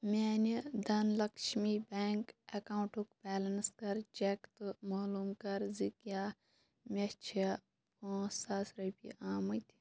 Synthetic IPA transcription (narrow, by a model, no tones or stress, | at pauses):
meːnid̪ɐnlɐkʃmibeːŋkɐkaːũɳʈukpɛːlɐnskɐɾt͡ʃekt̪umaːluːmkɐɾzikjaː | mʲet͡ʃʰe | poːsaːsɾɐpḭʔaːmɐt̪ʲʰ